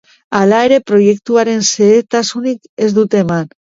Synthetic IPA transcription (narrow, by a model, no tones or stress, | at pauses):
alaeɾe̞pɾo̞jek̚t̪uaɾe̞nseet̪asunik | e̞zd̪ut̪e̞man